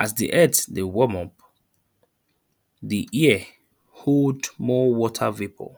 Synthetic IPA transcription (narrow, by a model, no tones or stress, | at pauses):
ʔasdḭʔɛtdewɔmɔ̃p | diʔiɛ | holdmɔwɔtʰavipʰɔ̰